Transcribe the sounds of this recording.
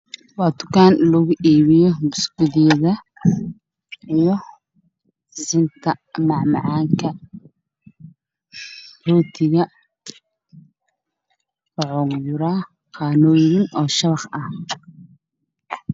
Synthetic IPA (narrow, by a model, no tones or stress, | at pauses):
wɑːt̪ʊ̥kaːnlɐɣʊʔiːβɪjɔmʊskʊðɪjɐðɐ | ijɔ | sɪnt̪ʰɐmɑʕmɑ̰ʕɑːŋkʰɐ | ruːt̪ʰɪɣɐ | fɐʕɔŋjʊɾa | qɑːnɔːjɪŋʔɔːʃɐβɑχɐh